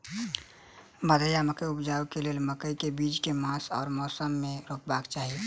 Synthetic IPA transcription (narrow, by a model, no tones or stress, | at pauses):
məd̪ʱəjaməkəjʊpd͡ʒaːwkeleːlməkəjkebiːd͡ʒkemãːsɔːɾmɔːsəmːẽɾoːkbakt͡ʃaːɦie